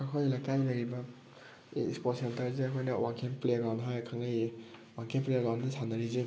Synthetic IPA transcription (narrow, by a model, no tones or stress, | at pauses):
kakʰojlakajnɐjɾibɐ | ispɔtsentɐɾziɐkʰojnɐwaŋkʰeŋpleɡanɦɔjkʰaŋajwaŋkʰeŋpleɡawndɯsʰanaɾize